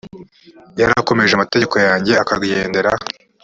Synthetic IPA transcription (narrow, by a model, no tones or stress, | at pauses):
jaɾako̞me̞ʒeamate̞ɟeko̞jaːɲɟe̞akaɡɟeːnde̞ɾa